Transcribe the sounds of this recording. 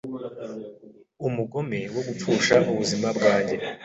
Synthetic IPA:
umuɡo̞mewo̞ɡup͡fuːʃaʔuβuzimabɡaːɲɟe̞

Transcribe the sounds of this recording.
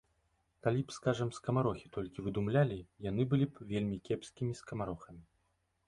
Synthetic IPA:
kalʲipskaʐɐmskɐmaɾɔxʲit̪ɔlʲkʲivɨd̪umlʲalʲijan̪ɨbɨlʲipvʲelʲmʲikʲɛpskʲimʲiskɐmaɾɔxɐmʲi

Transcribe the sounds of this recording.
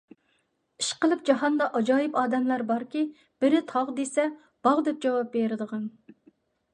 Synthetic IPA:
i̥ʃqəlˠɨp̚d͡ʒɑɦɑnd̪ɑʔɑd͡ʒɑːjipɑːd̪ɛmlæɾbɑɾkʲi | b̥ɪɾɪt̪ʰɑʁd̪esɛ | b̥ɑʁd̪ɛp̚d͡ʒɑwɑp̚beɾɪd̪əʁɑn

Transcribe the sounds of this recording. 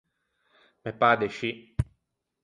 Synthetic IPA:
mepad̪eʃi

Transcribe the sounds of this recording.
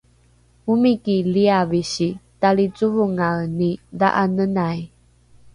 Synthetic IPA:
umikiliaviɕitaɭit͡suvuŋanida̰ʔanənaj

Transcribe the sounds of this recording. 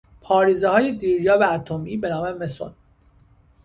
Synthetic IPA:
pʰɒːɾiːzehɒːjed̪iːɾjɒːvæːt̪ʰomiːbe̞nɒːmemeso̰n

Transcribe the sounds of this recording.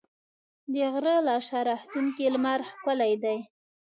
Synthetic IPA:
d̪əɣɾəlɑʃɑɾɑht̪uŋkilmaɾxkəlajd̪aj

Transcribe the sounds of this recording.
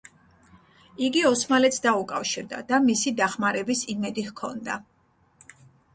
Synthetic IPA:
iɡiɔsmalɛt̪sʰd̪aukʼafʃiɾd̪a̰d̪̥amisid̪aχmaɾɛbisimɛd̪ihkʰɔ̰nd̪a̰

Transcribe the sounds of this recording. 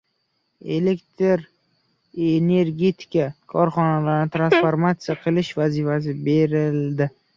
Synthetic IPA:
e̞lekt̪ʰɾ | ene̞ɾɡʲe̞t̪ʰɪ̥kakʰɒɾχɒnalaɾnɪt̪ʰɾansfoɾmat̪sɨjaqʰɨlɪʃvazɪfas̬ɪbe̞ɾɪld̪ɪ

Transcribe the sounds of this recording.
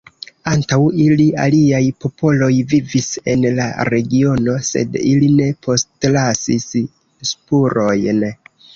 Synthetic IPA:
antawilia̰liajpo̞po̞lo̞jvivise̞nla̰ɾe̞ɡio̞no̞se̞̰diline̞pʰo̞stlasis | spuɾo̞jn

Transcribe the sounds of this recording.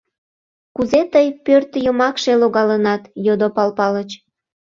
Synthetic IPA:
kuzet̪əjpørt̪jəmɑkʃeloɣɑlənɑt̪jod̪opɑlpɑlət͡ɕ

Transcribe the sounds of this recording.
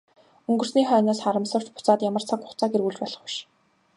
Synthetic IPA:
ɵŋɡɵ̆r̥sniːχœːnaːsχaɾə̆msə̆r̥t͡ɕpʊ̥t͡saːt̪jamə̆r̥t͡sʰakʊ̥χʰt͡saːɡeɾɣuɮt͡ɕpæɮə̆χʊ̥ʃ

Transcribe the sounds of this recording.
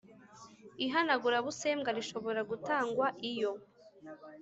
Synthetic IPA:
iɦanaɡuɾaβuse̞ːmɡaɾiʃo̞βo̞ɾaɡutaːŋɡwaʔijo

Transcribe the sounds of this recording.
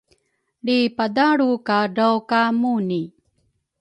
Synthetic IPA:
ɭipadaɭukaɖəwkamuni

